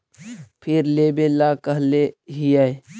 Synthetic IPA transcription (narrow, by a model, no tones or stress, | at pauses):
pʰɪɾleːbelakəɦleɦijae